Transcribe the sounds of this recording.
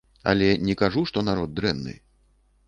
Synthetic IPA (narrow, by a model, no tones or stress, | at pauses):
a̰lʲɛnʲɛkaʐuʂt̪ɔnaɾɔd̪̚d̪ɾɛnːɨ̰